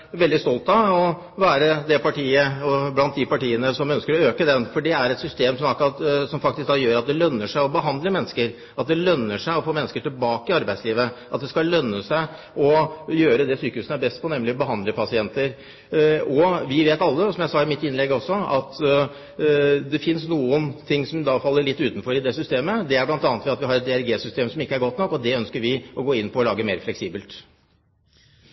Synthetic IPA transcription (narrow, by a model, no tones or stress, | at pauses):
ʋɛld̪ɪst̪ɔlt̪ɑɔ | ʋæːɾəd̪ɛpɑʈiːəɔblɑnt̪̚d̪ɪpɑʈiːənəsɔmœnskəɾɔøːkəd̪ɛnfɔɖɛæɾɛt̪sʏst̪eːmsɔmɑkɑt̪sɔmfɑkt̪ɪsk̚d̪ɑːjøːɾɑt̪̚d̪ɛlœnːəʂæɪɔbəɦɑnd̪ləmɛnːəskəɾ | ɑt̪̚d̪ɛlœnːəʂæɪɔfoːmɛnːəskəʈɪlbɑːkəɪɑɾbæɪsliːʋəʔɑt̪̚d̪ɛskɑlœnːəsæɪ | ʔɔjøːɾəd̪ɛsyːkəhʉːsnəæɾbɛst̪̚pʰɔnɛmlɪbəɦɑnd̪ləpʰɑsɪɛnt̪əɾ | ɔʋɪʋeːt̪ɑlːəsɔmjæɪsɑɪmɪt̪ːɪnlɛɡɔsːɔɑt̪ | d̪ɛfɪnsnuːənt̪ʰɪŋːsɔmd̪ɑfɑlːəɭɪt̪ːʉːt̪n̩fɔɾɪd̪ɛsʏst̪eːməd̪ɛæɾblɑnt̪ɑːnət̪ʋɛɑt̪ʋɪhɑɾɛt̪̚d̪ɛæɾɡeːsʏst̪eːmsɔmɪkːəæɾɡɔt̪ːnɔkːɔd̪ɛœnskəɾʋɪɔɡoːɪnːpʰɔːlɑːɡəmeːɾflɛksiːbəlt̪